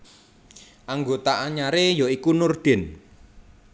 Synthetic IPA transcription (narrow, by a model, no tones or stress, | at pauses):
ʔaŋɡot̪aʔaɲaɾejɔikunurd̪̥ɪ̤n